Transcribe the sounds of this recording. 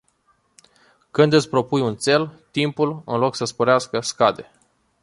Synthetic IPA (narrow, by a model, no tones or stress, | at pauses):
kɨnd̪ɨt̪sʲpɾo̞pujunt̪se̞lt̪impulɨ̰nlo̞ksəspoɾeaskəskad̪e̞̰